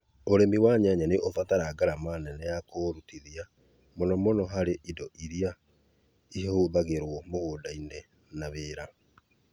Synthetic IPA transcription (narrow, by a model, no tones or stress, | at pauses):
oɾemiwaɲaɲaneʔofataɾaɡaɾamanɛnɛjakoɾutiðia | monɔmonɔɦaɾeʔidɔʔiɾia | iɦoðaɣeɾwɔmoɣoːdainɛ | naβeːɾa